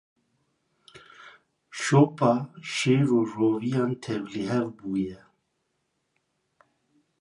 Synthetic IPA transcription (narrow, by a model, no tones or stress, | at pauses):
ʃoːpɑːʃeːɾuːroːvijɑːnt̪ʰɛvliɦɛvbuːjɛ